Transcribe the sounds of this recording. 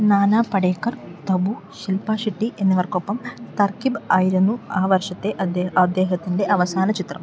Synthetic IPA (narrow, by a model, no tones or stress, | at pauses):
naːnaːpɐɽeːkɐrt̪ɐbuʃilpaːʂiʈːiʔe̞nːiʋɐrkopːɐmt̪ɐrkibaːjiɾunːuaːʋɐrʂɐt̪ːe̞ʔɐɐd̪ːeːɦɐt̪ːinɖe̞ʔɐʋɐsaːnɐt͡ʃit̪rɐm